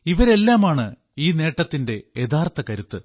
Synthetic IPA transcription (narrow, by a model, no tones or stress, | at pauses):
iʋɐɾe̞lːaːmaːɳɨ | iːne̞ːʈːɐt̪ːinde̞ed̪aːrt̪ːɐkɐɾut̪ːɨ